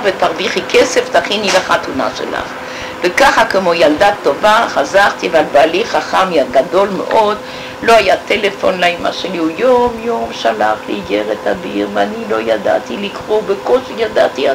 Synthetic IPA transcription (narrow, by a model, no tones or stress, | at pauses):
vet̪aʁviχikeseft̪aχinilaχat̪una̰ʃḛla̰χ | vekaχakemojald̪at̪ːovaχazaʁt̪iavalbaaliχaχamjaɡad̪o̞lmḛʔo̞d̪ | lo̞hajat̪elefo̰nlaima̰ʃeliujomjomʃalaχlḛiɡeʁet̪ʰabiʁveanilo̞jad̪a̰t̪ilikʁobekoʃejad̪a̰t̪ia